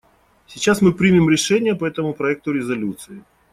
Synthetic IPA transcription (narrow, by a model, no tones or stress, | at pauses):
sʲɪt͡ɕasmɨpɾʲimʲɪmɾʲɪʂɛnʲɪjəpɐɛt̪əmʊpɾɐɛk̚t̪ʊɾʲɪzɐlʲut̪sɨɪ